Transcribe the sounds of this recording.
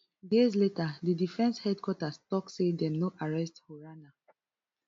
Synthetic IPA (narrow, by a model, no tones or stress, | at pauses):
jiz̬letadidifɛ̃nshɛd̚kwɔtastɔksedɛmnoʔaɹɛsthoɹana